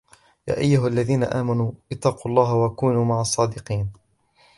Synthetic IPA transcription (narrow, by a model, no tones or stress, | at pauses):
ja̰ːʔajːʊɦʔalːaðiːna̰ʔaːmanuːʔɪt̪ːɑːquːɑlˤːɑːɦwakuːnuːmaʕɑsˤːɑːd̪ɪqiːn